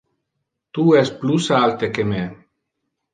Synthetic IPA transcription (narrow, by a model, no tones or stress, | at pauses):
t̪uɛsplusalt̪ekeme